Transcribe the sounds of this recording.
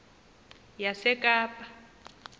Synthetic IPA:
jasɛkʼaːpʼa

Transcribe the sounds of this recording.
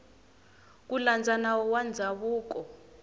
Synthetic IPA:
k̬uland͡zʱanawɔwand͡zʱaβuːkɔ

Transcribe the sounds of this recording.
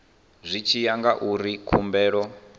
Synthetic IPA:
zʷit͡ʃʰijaŋɡaʔuɾikʰumbɛːɺɔ

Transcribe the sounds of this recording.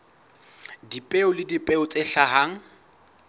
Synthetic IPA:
dipʼeʊlɪdipʼeʊt͡sʼɪɬaɦaŋ̩

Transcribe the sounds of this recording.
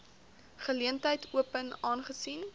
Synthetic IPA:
χəliəntɦəjtʰuəpənɑːnχəsin

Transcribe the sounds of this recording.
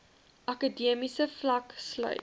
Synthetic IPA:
ʔɐkədiəmisəflɐkslœ̰ɥ

